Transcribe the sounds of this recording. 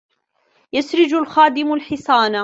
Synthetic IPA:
jasɾɪd͡ʒʊlxaːd̪ɪmalħɪsˤɑːna

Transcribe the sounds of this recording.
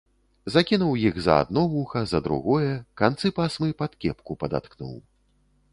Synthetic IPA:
zakʲinuwjiɣzɐ̰a̰d̪̚nɔvuxɐzɐd̪ɾṵɣɔjɛkant̪sɨpasmɨpat̪kʲɛpkupɐd̪a̰t̪knṵw

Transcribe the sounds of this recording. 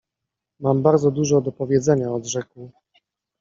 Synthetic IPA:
mambaɾd̪zɔd̪uʐɔd̪ɔpɔvʲjɛd̪zɛɲaɔd̪ʐɛkwu

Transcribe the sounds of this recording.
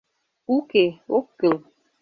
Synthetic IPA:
ukeokəl

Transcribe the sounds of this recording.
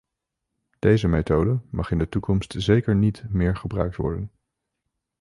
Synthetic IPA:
d̥ejzəmetowdəmɑχɪndətukɔmstzejkəɹnitmɪːɹχəbrœɥk̚tʋɔ̰ɹdən

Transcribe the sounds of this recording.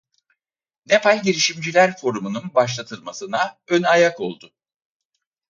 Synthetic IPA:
nepalʲɟʲiɾiʃimd͡ʒilʲæɾfo̞ɾumununbaʃ̬lˠat̪ʰɯlˠmasɯnaønajako̞lˠd̪ʊ

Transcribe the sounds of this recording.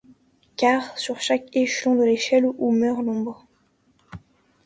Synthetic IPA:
kʲaʁsyʁʃakeʃlɔ̃d̪əleʃɛlumœʁnɔ̃bʁ

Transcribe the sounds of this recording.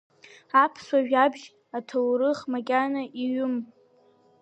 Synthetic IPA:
apʰswaʒᶣabʒ | atʰowɾɨχmakʲʼanaʔiɥʊm

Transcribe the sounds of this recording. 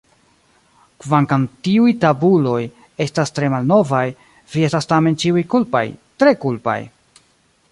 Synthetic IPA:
kvaŋkamtiujtabulo̞j | e̞stastɾe̞malno̞vaj | vie̞stastame̞nt͡ʃiujkulpa̰jtɾe̞kulpa̰j

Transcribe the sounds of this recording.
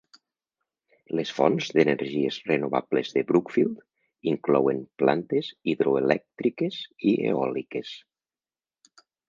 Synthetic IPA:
lesfɔ̰nzðeneɾʒiezrenoβa̰blezðebɾukfilˠd̪ | iŋklɔwemplant̪eziðɾoelɛk̚t̪ɾikeziḛɔlikes

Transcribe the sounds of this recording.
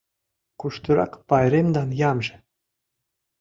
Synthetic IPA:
kuʃt̪uɾɑ̰kpɑjɾemd̪ɑnjɑmʒĕ

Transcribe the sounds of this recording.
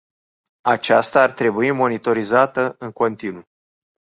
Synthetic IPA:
at͡ʃast̪aːrt̪ɾe̞buimo̞nit̪o̞ɾizat̪əɨŋko̞nt̪inu

